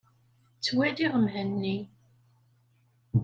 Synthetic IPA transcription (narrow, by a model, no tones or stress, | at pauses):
t͡sːwæd̪iʁəmhənːi